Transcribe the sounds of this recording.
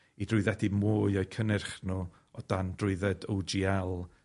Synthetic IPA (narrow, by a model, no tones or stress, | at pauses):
idrʊɨðɛdimuːɨɔɨkʰənɪrχnu | ɔd̥andrʊɨðɛdowd͡ʒiɛlˠ